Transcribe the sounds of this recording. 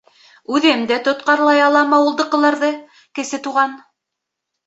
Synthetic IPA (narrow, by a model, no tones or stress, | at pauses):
ʉðɘmd̪æt̪ŏt̪̚qɑɾlˠɑjɑlˠɑmɑulˠd̪ɤ̆qːɤ̆lˠɑɾðɤ | kɘ̆sɘt̪uʁɑn